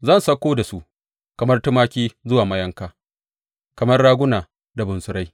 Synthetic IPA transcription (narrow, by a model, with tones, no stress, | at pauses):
zɐ˦˨nsɐ˦kʷoː˦da˨su˦ʔ | kɐ˨mɐ˦rtʊ˦maː˦kʲiː˦zʊ˦waː˨mɐ˦jɐ˦ŋkaː˨ | kɐ˨mɐ˦rɽaː˦ɡʷʊ˦naː˨ | da˨bʊ˨nsʊ˨ɾa˦j